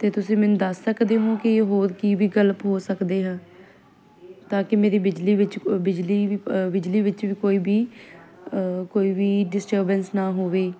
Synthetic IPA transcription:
t̪eːt̪ʊsĩːmɛ̃ːnũːd̪əsːəkd̪eːɦõːkɪeːɦoːɾkiːbiːɡələpɦoːsəkd̪eːɦãː | t̪aːkɪmeːɾiːbɪd͡ʒliːʋɪt͡ʃbɪd͡ʒliːbɪd͡ʒliːʋɪt͡ʃʋiːkoːiːbiː | koːiːʋiːɖɪsʈəːɾbənsnaːɦoːʋeː

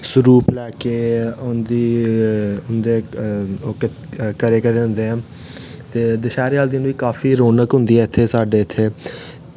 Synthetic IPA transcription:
sʊɾuːplɛːkeːʊnd̪iː | ʊnd̪eːoːk | kəɾeːkəɾeːɦʊ̃nd̪eːɛ̃ː | t̪eːd̪ɪʃaːɾeaːld̪ɪnʋiːkaːfiːɾoːnəkɦʊnd̪iːɛːɪt̪ʰːeːsaːɖeːɪt̪ʰːeː

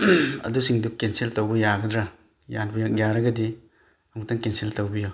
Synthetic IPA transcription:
ɐ̰dusiŋdukensiltowbɐjaɡɐd̪ɾa | janbijakjaɾɐɡɐdi | ɐmuk̚taŋkensiltowbijo

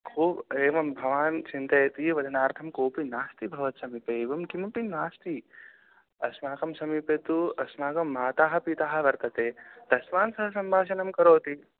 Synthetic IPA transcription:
kʰuːbeːʋɐmbʱɐʋaːnt͡ʃint̪ɐjɐt̪iʋɐd̪ʱɐnaːɾt̪ʰɐmkoːpinaːst̪ibʱɐʋɐt̪sɐmipeːʋɐmkimupinaːst̪i | ɐsmaːkɐmsɐmipet̪uɐsmaːkɐmːaːt̪aːɦɐ̆pit̪aːɦɐ̆ʋɐɾt̪ɐt̪eːd̪̥ɐsʋaːnsɐɦɐsɐmbʱaːʃɐnɐmkɐɾoːt̪i

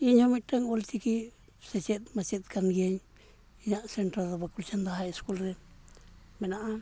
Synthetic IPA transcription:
iɲomiʈaŋolt̪iki | set͡ʃet̪maset̪kanɡeɲ | ɲasenʈɾad̪abakult͡ʃand̪aaeskulɾe | menaʔa

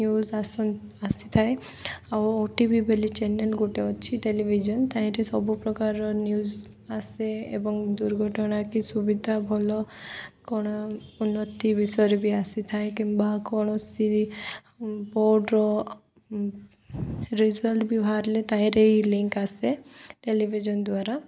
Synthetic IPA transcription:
njuzasɔasit̪ʰae | awoʈibʱibʱelit͡ʃɛnelɡoʈeɔt͡ʃʰiʈelibʱid͡ʒɔnt̪ãĩɾesɔbʱupɾɔkaɾɔnjuz | aseḛbɔŋd̪uɾɡʱɔʈɔɽ̃akisubid̪ʱabʱɔlɔkɔɽ̃ɔunːɔt̪ibisɔɾebʱiasit̪ʰajkĩmbakɔɽ̃ɔsi | boɖɾɔ | ɾizɔlʈbjɔɦaɾlet̪ãĩɾeiliŋkaseʈeliʋʱid͡ʒɔnd̪waɾa

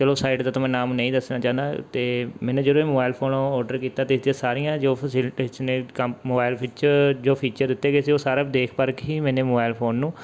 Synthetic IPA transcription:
t͡ʃəloːsaːɪɖd̪aːt̪əmɛ̃ːnaːmnə̃ĩːd̪əsnãːt͡ʃaːnd̪aːt̪eːmɛ̃ːnũːd͡ʒəɾoːemoːbaːɪlpʰoːnɔːɾɖəɾkiːt̪aːt̪eːɪsd̪ijãːsaːɾijãːd͡ʒoːpʰəsɪlʈeːʃneːkəmmoːbaːɪlpʰiːt͡ʃəd͡ʒoːpʰiːt͡ʃəɾd̪ɪt̪ːeːkesioːsaːɾaːd̪eːkʰpəɾkɦiːmɛ̃ːneːmoːbaːɪlpʰoːnːũː

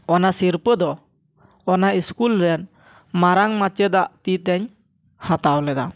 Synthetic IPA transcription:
ɔnasiɾpəd̪ɔ | ɔnaiskulɾɛn | maɾaŋmat͡ʃəd̪aʔt̪it̪ɛɲ | hat̪awlɛd̪a̰

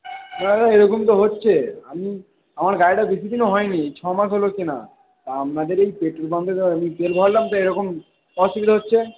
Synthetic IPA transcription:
nat̪aeɾɔkomt̪̬oɦotːɕʰeami | amaɾɡaeʈabisid̪inoɦɔeniejt͡ɕʰɔmaʃɦolokina̰ | t̪aamnad̪eɾejpeʈɾobamp̪eamip̪elbʱɔɦaɾlamt̪aeɾɔkom | ɔsibid̪aɦotːɕʰe

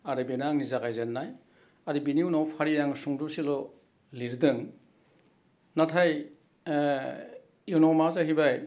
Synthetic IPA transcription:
aɾebenaŋnizaɡajzenːaj | aɾibiniwnawpʰaɾijaŋsuŋdusilɔ | liɾdɯŋ | natʰaj | junɔmazaɦibaj

